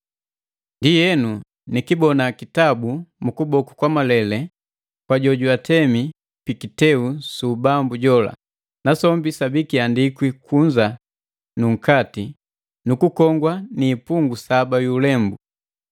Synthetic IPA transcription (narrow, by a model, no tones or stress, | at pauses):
ndijɛnu | nikibɔnakitabumukubɔku̥kwamalɛlɛ | kwaɟɔɟuatʰɛmi | pikitɛusuːbambuɟɔla̰ | nasɔmbisabikiandikwikʰuɲd͡ʒa | nuŋ̩kati | nukukɔŋɡwaniːpuŋɡusabajulɛmbu